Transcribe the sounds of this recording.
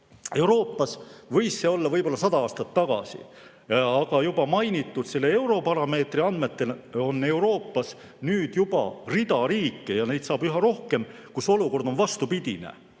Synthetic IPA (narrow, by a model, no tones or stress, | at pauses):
e̞wɾo̞ːpˑːɑsvɤ̞jsse̞ːo̞lːɑvɤjbo̞lːɑsɑd̪̥ɑɑːst̪ɑt̪ːɑɡ̥ɑ̰sḭ | ɑɡ̥ɑjubɑmɑjnit̪ːˑud̪̥selːee̞wɾo̞pɑɾɑme̞ːt̪riɑnd̪̥me̞t̪ːelo̞nːe̞wɾo̞ːpːˑɑs | nyːd̪̥jub̥ɑ̰rid̪̥ɑɾiːkːˑejɑne̞jt̪sɑːb̥yɦɑɾo̞hke̞m | kuso̞luko̞rd̪̥o̞nvɑst̪upid̪̥inḛ